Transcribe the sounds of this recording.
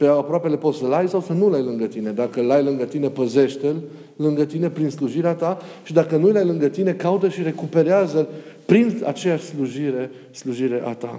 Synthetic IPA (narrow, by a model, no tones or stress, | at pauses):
peapɾoape̞le̞po̞t̪səlajsawsənulajlɨŋɡət̪ine̞d̪akəlajlɨŋɡət̪ine̞pəze̞ʃt̪el | lɨŋɡət̪ine̞pɾinsluʒiɾeat̪aʃid̪akənujlajlɨŋɡət̪ine̞kaut̪əʃiɾe̞kupe̞ɾeazəpɾina̰t͡ʃe̞jaʃʲsluʒiɾe̞ | sluʒiɾe̞ʔa̰t̪a̰